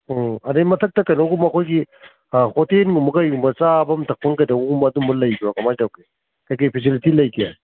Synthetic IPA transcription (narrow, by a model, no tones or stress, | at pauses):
ɐdejmɐtʰɐk̚tɐkɐjnoɡumɐkʰojɡi | hotenɡumɐkɐjumbɐt͡ʃabɐmtʰɐk̚pɐŋkɐjdɐuumɐdumbɐlɐjbiwakɐmajtawke | kajkipʰis̬ilitilɐjkʰija̰